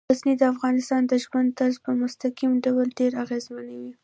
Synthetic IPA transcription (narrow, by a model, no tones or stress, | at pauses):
aznid̪əafɣɑnɪst̪ɑnd̪əʒwand̪̚t̪azpəmʊst̪aqimɖawəlɖeɾaɣezmanawi